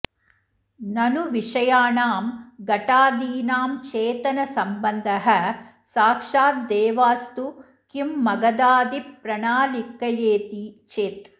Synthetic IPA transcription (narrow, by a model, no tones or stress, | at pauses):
nɐnuʋiʂɐjaːnaːmɡɐʈaːd̪iːnaːmt͡ʃeːt̪ɐnɐsɐmbɐnd̪ʱɐɦɐ | saːkʂaːt̪̚d̪ɛːʋaːst̪u | kimːɐɡɐd̪aːd̪ipɾɐɳaːlikːɐjeːt̪it͡ʃeːt̪